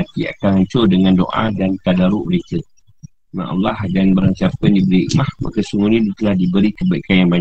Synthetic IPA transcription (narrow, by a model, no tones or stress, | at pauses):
at̪ia̰kanhaɲt͡ʃʊrdəŋãndoʔa̰dant̪adaɾuʔməɾekə | mã̰ʔa̰lahdanbəɾaɲsap̚kandibəɾiḭʔmahma̰kəsuŋuɲĩdt̪əlahdibəɾikəbaḭkanjaŋbaɲ